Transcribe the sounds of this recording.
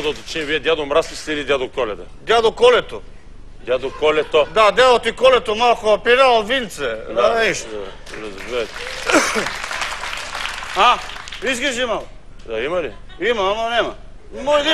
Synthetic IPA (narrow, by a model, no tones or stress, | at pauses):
d̪ɐt̪ot͡ʃimviɛd̪jad̪omɾast̪ist̪ɛilid̪ʲjad̪okɔlɛt̪ɐd̪ʲjad̪okɔlɛt̪o̰ | d̪ʲjad̪okɔlɛt̪od̪ad̪jad̪ot̪ikɔlɛt̪omalˠkoapiɾalvint̪sɛaɛʃ | ɾɐzbɛt̪ | aizɡiʒimalˠ | d̪aimɐli | imɐamɐnɛmɐ | mojd̪i